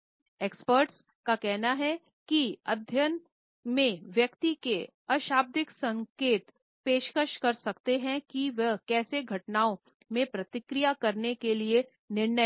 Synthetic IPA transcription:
eːkspəːɾʈs | kakɛɦnaɦɛ | kiɐd̪ʱjən | mẽʋjɐkt̪ike | ɐʃaːb̚d̪ɪksɐ̃ŋkeːt̪ | peːʃkəʃkɐɾsɐkt̪eɦɛ̃kiʋəɦkɛːseɡʱɐʈnaːõ | mẽpɾɐt̪ɪkɾijakɐɾnekelie | nɪɾnə

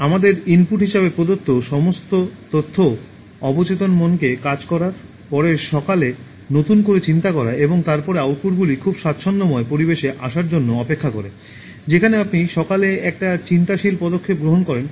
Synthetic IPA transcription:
amad̪eɾinpuʈɦiʃabepɾod̪ot̪ʰːoʃɔmost̪ot̪ot̪ʰːo | ɔbot͡ɕet̪onmonkekad͡ʑkɔɾaɾ | pɔɾeʃɔkale | not̪unkoɾet͡ɕint̪akɔɾaeboŋt̪aɾpɔɾeawɾpuɾɡulikʰubʃat̪ːɕʰonːomɔepoɾibeʃeʔaʃaɾd͡ʑonːoɔpekʰːakɔɾe | d͡ʑekʰaneapniʃɔkaleɛk̚ʈat͡ɕint̪aʃilpɔd̪okʰːep̚ɡɾoɦonkɔɾen

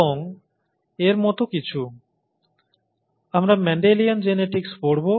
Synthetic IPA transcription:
oŋ | eɾmɔt̪okit͡ɕʰu | amɾamɛɳɖeliand͡ʑeneʈikspoɽbo

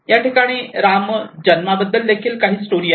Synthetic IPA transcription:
jaʈikaɽ̃iːɾamd͡ʑənmabəd̪ːəld̪ekʰiːlkaɦiːsʈoɾiː

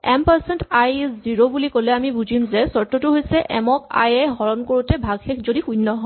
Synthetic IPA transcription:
ɛmpaɹsɛntajsziɹobulikolɛamibud͡ʑʱimzɛsɔɹtːotuɦojsɛʔɛmɔka̰jɛɦɔɹɔnkoɹutɛbʱaɡxekʰzodixujnːɔɦɔ

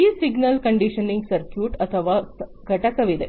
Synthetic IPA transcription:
isiɡnəlkəɳɖiɕəniŋɡsɐɾkjuːʈɐt̪ʰəʋaɡʱɐʈakɐʋid̪e

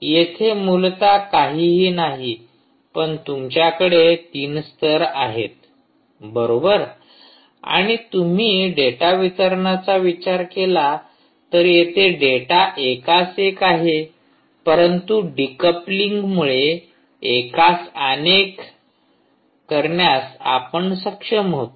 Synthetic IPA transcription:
jet̪ʰemult̪akaɦiːɦiːnaɦi | pəɳt̪umt͡ɕjakəɽet̪iːnst̪ʰəɾaɦet̪̚ | bəɾobəɾ | a̰ɽ̃it̪um̤iːɖeʈaʋit͡səɾɳat͡saʋit͡ɕaɾkela | t̪əɾjet̪ʰeɖeʈaʔekasekaɦe | pəɾənt̪uɖikəpliŋɡmuɭeː | kasənek | əɾɳjasa̰pəɳsəkʂəmɦot̪

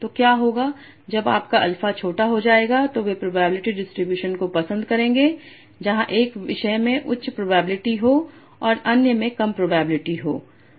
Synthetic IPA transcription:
t̪okjaːɦoːɡaː | d͡ʒɐba̰ːpkaʔɐlfat͡ʃʰoːʈaɦod͡ʒaːeːɡat̪oʋepɾoːbaːbɪlɪʈiɖɪsʈɾɪbjuːʃənkopɐsə̃nd̪kɐɾẽːŋɡeː | d͡ʒɐɦãʔeːkʋɪʃəjmẽʔʊ̰tːʃʰpɾoːbaːbɪlɪʈiɦoː | ɔːɾɐnjəmẽkɐmpɾoːbaːbɪlɪʈiɦo̰ː

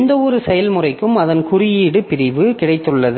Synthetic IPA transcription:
nd̪ɐɔɾɯsɛjɐlmʊrɐɪkːɯmɐðɐnkʊrɪjiːɽɯpɪɾɪʋɯkɪɽɐɪt̪ːɯɭːɐðɯ

